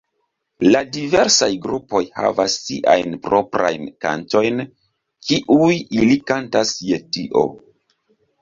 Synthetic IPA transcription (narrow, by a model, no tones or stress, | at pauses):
ladive̞ɾsajɡɾupo̞jha̰vasːḭʔajnpɾo̞pɾa̰jnka̰nto̞jn | kiʔujilikantasje̞tiʔo̞̰